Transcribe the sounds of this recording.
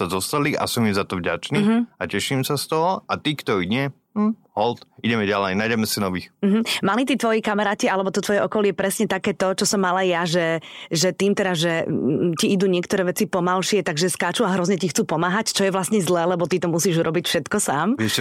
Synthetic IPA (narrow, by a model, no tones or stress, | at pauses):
azɔst̪alia̰sɔmizat̪ɔvɟa̰t͡ʃniacɛʃimsast̪ɔɦɔʔat̪iːkt̪ɔiɲɛ | ɦɔlt̪iɟɛmɛɟalɛjnaːjɟɛmɛsinɔʋixm̩ɦ̩malit̪̬iːt̪ʋɔjɛkamɛɾaːcialɛbɔt̪ɔt̪ʋɔjɛʔɔkɔlɪɛpɾɛsɲɛt̪akɛːt̪ɔt͡ʃɔsɔmːalajaʒɛʒɛt̪iːmt̪ɛd̪azʒɛciid̪uːɲɪɛkt̪ɔɾɛːʋɛt͡sipɔmalʃɪɛt̪aɡʒɛskaːt͡ʃuaɦɾɔzɲɛcixt͡suːpɔmaːɦact͡ʃɔjɛʋlasɲɛzlɛːlɛbɔt̪it̪ɔmusiːʒuɾɔbicfʃɛt̪kɔsaːmɪɛʃɛ